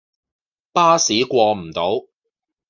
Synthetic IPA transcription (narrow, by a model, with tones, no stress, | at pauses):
paː˥siː˨˥kʷɔː˧m̩˨˩t̪o˨˥w